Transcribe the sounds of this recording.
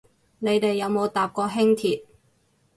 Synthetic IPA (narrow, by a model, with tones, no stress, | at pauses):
ne˨˧jt̪e˨jːɐ˨˧wmo˨˧wt̪aː˨p̚kɔː˧ɦɪ˥ŋt̪ʰiː˨˩t̚